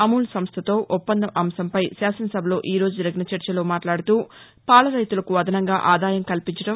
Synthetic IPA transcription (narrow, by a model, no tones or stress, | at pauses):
ɐmuːlsɐmst̪ʰɐt̪o̞ːʔupːɐnd̪ɐʔɐmsɐmpɐjsaːsɐnɐsɐbʱɐlo̞ːʔiːɾoːd͡ʒud͡ʒɐɾɐɡnɐt͡ʃɐɾt͡ʃɐlo̞ːmaːʈlaːɽut̪uː | paːlɐɾɐjt̪ulɐkuʋɐd̪ʱɐnɐŋɡaːʔaːd̪aːjɐmkɐlpiɲt͡ʃɐʈɐm